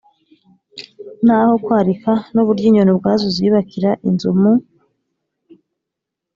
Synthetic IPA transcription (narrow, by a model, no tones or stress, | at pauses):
n̥haːho̞kwaːɾikanuβuɾɟiːɲonobɡaːzoziːβakiɾaʔinzumu